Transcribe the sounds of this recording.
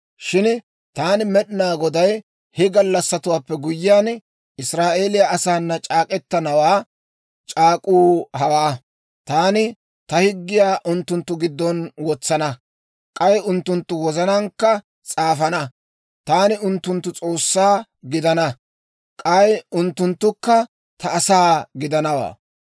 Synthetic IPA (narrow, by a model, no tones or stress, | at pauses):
ʃɪn | t̪aːnɪmɛɗɪnaːɡɔd̪ɐj | hɛɡɐlːɐsːɐt̪ʊwaːpːɛɡʊjːɪjaːn | ɪsɾaːʔe̞ːlɪjɐʔɐsaːnːɐt͡ʃʼaːkʼɛt̪ːɐnɐwaː | t͡ʃʼaːkʼuːɦɐwaː | t̪aːnɪ | t̪ɐhɪɡːɪjaːʔʊnt̪ːʊnt̪ːʊɡɪd̪ːɔnwɔt͡sːɐnɐ | kʼɐjʊnt̪ːʊnt̪ːʊwɔzɐnɐŋkːɐ | t͡sʼaːfɐnɐ | t̪aːnɪʊnt̪ːʊnt̪ːʊt͡sʼo̞ːsːaː | ɡɪd̪ɐnɐ | kʼɐjʊnt̪ːʊnt̪ːʊkːɐ | t̪ɐːsaːɡɪd̪ɐnɐwa̰ː